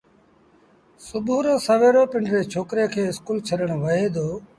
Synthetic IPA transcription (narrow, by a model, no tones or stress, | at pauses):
sʊbʱuːɾõːsəʋeːɾoːpɪɳɖɾeːt͡ʃʰoːkɾeːkʰeːɪskuːlt͡ʃʰəɗəɽ̃ʋəɦeːd̪oː